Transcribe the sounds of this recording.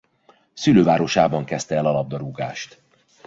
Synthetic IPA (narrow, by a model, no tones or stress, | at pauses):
syløːvaːɾo̞ʃaːbɒŋkɛst̪ɛɛlɒlɒb̚d̪ɒɾuɡaːʃt̪